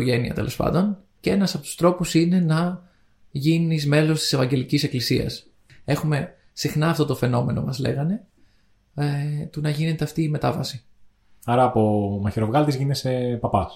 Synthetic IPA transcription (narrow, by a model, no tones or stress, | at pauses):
oʝe̞niɐ̰t̪e̞lo̞spɐ̰nd̪o̞n | cee̞nɐsɐpo̞t̪u̥st̪ɾo̞pusine̞nɐ | ʝinnizme̞lo̞st̪i̥se̞vɐɲɟe̞licise̞klisiɐ̰s | e̞xume̞ | sixnɐːft̪o̞t̪ofe̞no̞me̞no̞̰mɐzle̞̰ɣɐne̞ | t̪unɐʝine̞t̪e̞ɐft̪iːmet̪ɐvɐsi | ɐɾɐːpomɐçiɾo̞vɣɐlt̪izʝinese̞pɐpɐs